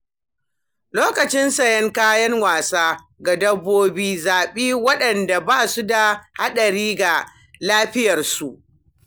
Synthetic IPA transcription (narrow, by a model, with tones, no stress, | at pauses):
loː˦kɐ˨t͡ʃɪ˦nsɐ˨jɛ˦ŋkaː˦jɐ˦ŋwaː˨saː˦ | ɡa˨dɐ˦bːoː˦biː˦zaː˨ɓiː˦wɐ˦ɗɐ˨nda˨baː˦su˦da˨ha˦ɗɐ˨ɾiː˦ɡa˨ | laː˦ɸɪ˦jɐ˨rsu˨ʔ